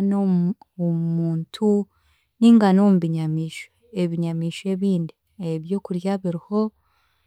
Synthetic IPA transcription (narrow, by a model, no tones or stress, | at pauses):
no | omuːntʰu | niːŋɡanomuβiɲamiːʃeeβiɲamiːʃe̞βiːndi | eβjoːkuɾjaβiɾiho̞